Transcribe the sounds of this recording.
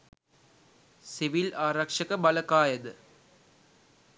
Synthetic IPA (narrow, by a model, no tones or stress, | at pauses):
siʋilaːɾɐkʂɐkəbɐlɐkaːjɐd̪ɨ